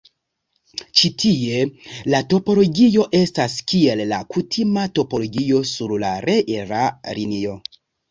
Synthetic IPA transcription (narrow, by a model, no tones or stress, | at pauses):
t͡ʃitʰie̞lato̞po̞lo̞ɡio̞ʔe̞staskie̞lːakutʰimato̞po̞lo̞ɡio̞suɾla̰ɾʔe̞ʔeɾaɾinio̞